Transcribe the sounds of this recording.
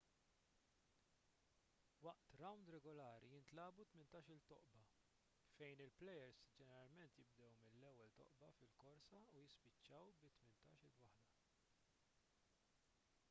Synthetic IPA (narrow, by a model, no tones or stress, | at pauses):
wɐʔt̪ɾɐwnd̪ɾɛɡɔlɐːɾḭjɪnt̪lɐːbut̪mɪnt̪ɐːʃɪlt̪ɔʔbɐ | fɛjnɪlplɛjɛɾsd͡ʒɛnɛɾɐlmɛnt̪jɪb̚d̪ɛwmɪlːɛwːɛlt̪ɔ̰ʔbɐfɪlkɔɾsɐujɪspɪt͡ʃːɐwbɪt̪ːmɪnt̪ɐːʃɪlwɐħd̪ɐ